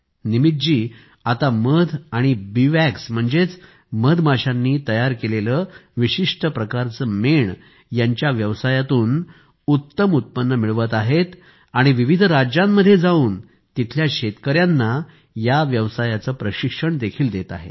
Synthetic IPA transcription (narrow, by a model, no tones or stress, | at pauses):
nimit̪̚d͡ʑiː | at̪aməd̪ʱaɽ̃ibiʋæksm̤əɳd͡zet͡s | məd̪ʱmʱaɕanːiːt̪əjaɾkeleləːʋiɕiʂʈəpɾəkaɾt͡səmeɳ | jaɲt͡ɕjaʋjəʋsajat̪uːn | ut̪ːəmut̪̚pənːəmiɭʋət̪aɦet̪ | aɽ̃iʋiʋid̪ʱɾad͡ʑamːəd̪ʱːjed͡zauːn | t̪it̪ʰljaɕet̪kəɾjanːa | jaʋjəʋsajat͡səːpɾəɕikʂəɳd̪ekʰiːld̪et̪a̰ɦḛ